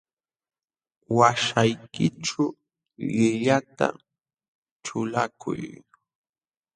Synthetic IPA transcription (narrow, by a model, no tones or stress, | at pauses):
waʃajkɪʈ͡ʂʊ | lɪʎat̪a̰ | ʈ͡ʂt͡ʃʊlakʰʊ̰j